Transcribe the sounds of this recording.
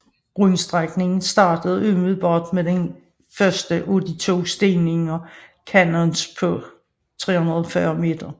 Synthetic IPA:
ʁynsd̥ʁaɡ̥ne̝ŋn̩sd̥ɑ̰̈ːd̥əð̞̩ˠø̰ːmyð̩ˠb̥ɒd̥med̥en | fɶɐsd̥əʔo̝d̥it͡sʰo̝̰sd̥e̝ne̝ŋɒkʰænɔnspʰɒ̽ | t͡sʰʁɛ̰ːhunɐð̞̩ˠfɶːɐme̝ːd̥ɐ

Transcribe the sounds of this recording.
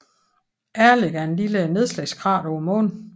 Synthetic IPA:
ʔæɐle̝ɡ̥ɐæɐe̝nliləne̝ðˠslɛɪsɡkʰʁɑ̰̈ːɾ̥ɒʊɐmɔ̰ːn

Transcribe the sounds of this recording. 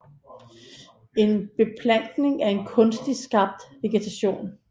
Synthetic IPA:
e̝nb̥e̝pʰlæn̰ɡ̥ne̝ŋæɐe̝nkʰɔ̽nsd̥isɡ̥ɑ̈b̥̚d̥ʋe̝ɡ̥et͡sʰæɕo̝̰ːn

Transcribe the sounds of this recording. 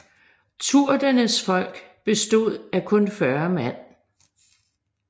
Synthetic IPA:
t͡sʰuɐ̰d̥ɐnəsfɒ̽l̰ɡ̥b̥e̝sd̥o̝ð̞̰ˠækʰɔ̽nfɶɐmæn̰

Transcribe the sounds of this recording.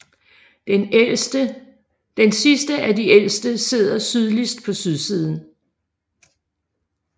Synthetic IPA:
n | d̥ensisd̥əʔædiʔel̰sd̥əse̝ð̞̰ˠɐsyð̞ˠlisd̥pʰɒ̽syð̞ˠsið̞ˠn̩

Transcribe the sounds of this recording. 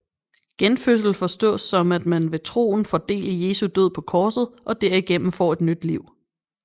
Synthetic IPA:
ɡ̥enføs̬l̩fɒ̽sd̥ɔ̰̽ːsːɒ̽mæd̥mænʋe̝t͡sʰʁo̝̰ːn̩fɒd̥e̝̰ːləje̝ːsud̥øð̰ˠpʰɒ̽kʰɒːsð̩ˠʔɒ̽d̥æɐiɡ̥em̰m̩fɒ̰ːe̝d̥nyd̥liʊ̰

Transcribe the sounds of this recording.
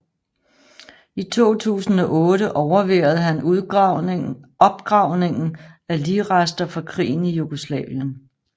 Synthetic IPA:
it͡sʰo̝̰ːt͡sʰṵːsn̩ɒ̽ʔɔ̽ːɾəʔɒʊɐʋeɐð̞̩ˠɦæn | ɒ̽b̥ɡ̥ʁɑ̈ʊ̰ne̝ŋn̩æliːʁasd̥ɐfɑ̈kʰʁḭːn̩ijuɡ̥o̝slɛ̰ːʋjən

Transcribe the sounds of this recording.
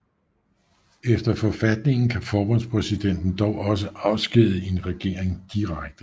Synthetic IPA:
efd̥ɐfɒfæd̥ne̝ŋn̩kʰæfɒːb̥ɔ̽nspʰʁɛsid̥en̰d̥n̩d̥ɒʊʔɒ̽s̬əʔɑ̈ʊsɡ̥iðˠəe̝nʁɛɡ̥e̝̰ɐ̰eŋd̥iʁaɡ̥̚d̥ə

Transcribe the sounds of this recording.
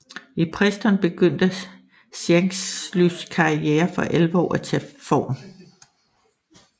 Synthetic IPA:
ipʰʁɛsd̥ɐnb̥e̝ɡ̥øn̰d̥ə | seŋslyskʰɑ̈ieːɐfɒ̽ʔelʋɒ̰ːæt͡sʰɛ̰fɒ̰ːn

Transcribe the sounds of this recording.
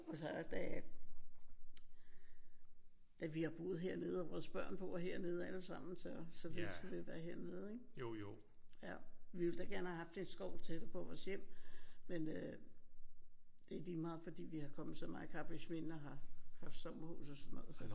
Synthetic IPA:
ɒsɒd̥æ | d̥æʋihɑ̈b̥o̝ːð̩ˠɦe̝ɐ̰ne̝ːð̞̩ˠɒbʁɔːðsb̥ɶɐ̰npʰɒ̽ɦe̝ɐ̰ne̝ð̞ˠæləsɑ̈m̰n̩sɒ̽sɒ̽fesɡ̥æd̥eʋæɐɦe̝ɐ̰ne̝ð̞ˠeɡ | jæʋiʋe̝ld̥æɡ̥æɐnəhæɦɑ̈fd̥e̝nsɡ̥ɒʊlt͡sʰe̝d̥əpʰɒ̽ʋɒːsjem̰menø | d̥e̝æd̥imɑ̈ːð̩ˠfɒ̽d̥ḭːʋihɑ̈kʰɒ̽mð̩ˠsɒ̽mɑ̈ːkʰɑ̈b̥esmenɒɦɑ̈hɑ̈fd̥sɒ̽mɐhṵːsɒsɒnːɔ̽ːð̩ˠsɒ̽

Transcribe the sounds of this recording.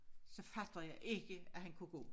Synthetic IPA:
sɒ̽fæd̥ɐjɑɪʔe̝ɡ̥əæhænkʰuɡ̥ɔ̰ː

